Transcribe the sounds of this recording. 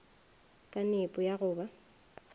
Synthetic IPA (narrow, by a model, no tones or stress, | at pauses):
kʼanepʼʊjaɣʊːba